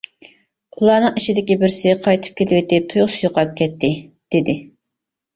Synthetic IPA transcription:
ulˠɑnɨŋiʃid̪ɪkʲibɪɾsɪqʰɑjt̪ʰɨ̥p̚kʲelɪbɪt̪ːɪp̚t̪ʰujʁʊsʰjoqʰɑp̚kʲʰɛt̪ʰːɪd̪̥ɪd̪ɪ

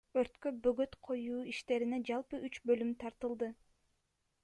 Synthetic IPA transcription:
ø̞ɾt̪købø̞ɡø̞t̪qʰo̞juːiʃt̪e̞ɾined͡ʒɑlˠpɯʔyt͡ʃbø̞lymt̪ʰɑɾt̪ɯlˠd̪ɯ

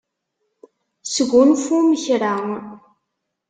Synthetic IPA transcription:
səɡʷʊnfuməçɾaŋ

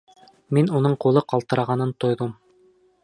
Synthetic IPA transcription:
minunɤɴqulˠɤqɑlˠt̪ɤ̆ɾɑʁɑnɤnt̪ŏjðɤm

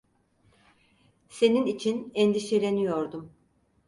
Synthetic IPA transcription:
se̞ninit͡ʃʰinɛnd̪iʃeɾenijo̞ɾd̪um

